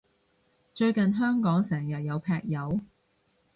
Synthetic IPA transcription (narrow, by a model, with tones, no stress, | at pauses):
t͡ʃɵ˧ɥkɐ˨nɦœː˥ŋkɔː˨˥ŋsɛː˨˩ŋjɐ˨t̚jɐ˨˧wpʰɛː˧k̚jɐ˨˧w